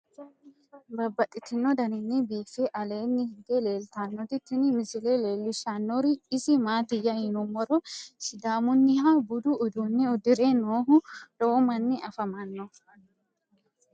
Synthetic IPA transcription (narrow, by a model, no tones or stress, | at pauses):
bɐbːɐt̪ʼːɪt̪ɪnːɔd̪ɐnɪnːɪbiːfeʔɐle̞ːnːɪhɪnd̪ele̞ːlt̪aːnːɔt̪ɪt̪ːɪnɪmɪsɪleleːlːɪʃanːɔɾɪɪsɪmaːt̪ɪjɐjɪnʊmːɔɾɔsɪd̪aːmʊnːɪhabʊd̪ʊːd̪unːɪʊd̪ɪɾenoːɦʊloːmɐnːɪʔɐfɐmɐnːɔ